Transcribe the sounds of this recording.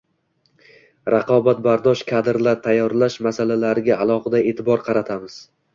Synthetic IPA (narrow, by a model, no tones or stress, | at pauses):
ɾɑqʰɒbat̪̚baɾd̪ɒʃkʰad̪ɪɾlaɾt̪ʰajːɒɾlaʃmasalalaɾɪɡʲaalˠɒʁɨd̪ae̞ːt̪ʰɪbɒɾqʰɑɾat̪ʰamɪz̥